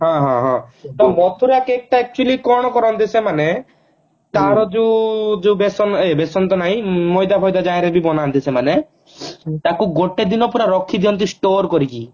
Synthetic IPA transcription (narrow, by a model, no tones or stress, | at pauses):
ɦãɦãɦɔ̃t̪ɔbɔt̪ʰuɾakeek̚ʈaɛk̚t͡ʃualikɔɽ̃ɔkɔɾɔnt̪̬isemane | t̪aɾɔd͡ʒed͡ʒeubesɔnebesɔnt̪̬ɔnaj̃mɔjd̪abʱɔjd̪ad͡ʒajɾebibɔnant̪isemane | t̪akuɡoʈed̪inɔpuɾaɾɔkʰːid̪iɔnt̪̬isʈoɾkɔɾiki